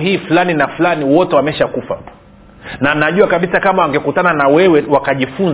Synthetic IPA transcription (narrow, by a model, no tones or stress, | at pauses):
ɦiːfulaninafulaniwɔtɛwamɛʃakufa̰ | nanaʄuakaɓisakamawaŋɡɛkutananawɛwɛwakaʄifun